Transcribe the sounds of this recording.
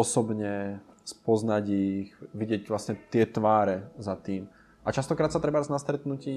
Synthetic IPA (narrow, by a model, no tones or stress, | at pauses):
ɔsɔbɲɛ | spɔznaɟixʋiɟɪɛcʋlasɲɛt̪ɪɛt̪ʋaːɾɛzat̪iːm | ʔat͡ʃast̪ɔkɾaːt̪sat̪ɾɛbaaznast̪ɾɛt̪nuciː